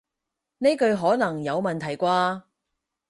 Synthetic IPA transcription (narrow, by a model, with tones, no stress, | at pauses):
ne˥kɵ˧ɥɦɔː˨˥nɐ˨˩ŋjɐ˨˧wmɐ˨nt̪ʰɐ˨˩jkʷaː˧